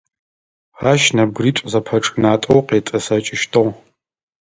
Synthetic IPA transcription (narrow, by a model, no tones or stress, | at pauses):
ʁaʃnɐb̚ɡriːtʷʼzɐpʰɐʈ͡ʂʼnaːtʷʼowqeːtʼɐsɐt͡ʃʼɪʃtʰɨʁ